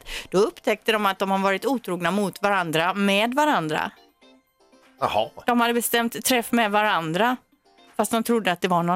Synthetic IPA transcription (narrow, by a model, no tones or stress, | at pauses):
d̪̥ɔɵpːt̪ʰɛk̚t̪əd̪ɔmat̪̚d̪ɔmhad̪vɑːɾɪt̪uːt̪ʰɾuːɡnamʊt̪vaɾand̪ɾamɛd̪vaɾand̪ɾa̰ | hɑd̪̥ɔmhad̪ːəbɛst̪ɛmt̪ʰːɾɛfːmɛd̪vaɾand̪ɾa | fast̪̚d̪ɔmt̪ʰɾʊd̪ːəat̪̚d̪ɛvaɳɔ